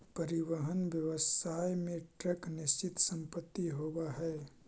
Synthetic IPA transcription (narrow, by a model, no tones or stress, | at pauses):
pəɾɪʋəɦənʋjəʋəsaːjmẽʈɾəknɪst͡ʃɪt̪sə̃mpət̪ːiɦoːwaɦɛː